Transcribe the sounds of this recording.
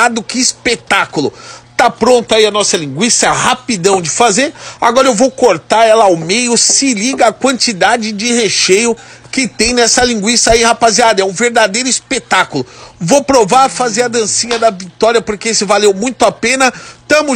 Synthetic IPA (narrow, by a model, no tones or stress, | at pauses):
ad̪ʊkɪːspet̪akulʊt̪apɾõnt̪ʊaiɐnɔsɐlĩŋɡwisɐɛhapid̪ɐ̃w̃d͡ʒɪfazeɾa̰ɡɔɾɐewvowkoɾt̪aɾɛlɐawmejʊsɪliɡɐːkwɐ̃nt͡ʃid̪ad͡ʒɪd͡ʒɪheʃejʊ | kɪt̪ẽj̃nɛsɐlĩɡwisɐaihapaziad̪ɐɛũveɾd̪ad̪ejɾʊispet̪akʊlʊvowpɾovaɾfazeɾɐd̪ɐ̃sĩɲɐd̪ɐvit̪ɔɾiɐpoɾkeesɪvalewmũj̃t̪ʊapẽnɐt̪ɐ̃mʊ